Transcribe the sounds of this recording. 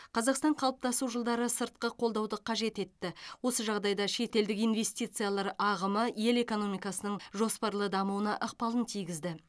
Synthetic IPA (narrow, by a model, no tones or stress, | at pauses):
qʰɑzɑqst̪ɑɴqʰɑlˠəp̚t̪ɑsuʒəlˠd̪ɑɾəsəɾt̪̚qəqʰo̞lˠd̪ɑwd̪əqʰɑʒe̞t̪e̞t̪ːɪwo̞səʒɑʁd̪ɑjd̪ɑʃe̞t̪e̞ld̪ɪkijnve̞st̪ijt̪sɨjalˠɑɾɑʁəməje̞le̞ko̞no̞mijkɑsənəɴʒo̞spɑɾlˠəd̪ɑmuwənɑʔəq̚pɑlˠənt̪ʰijɡʲɪzd̪ɪ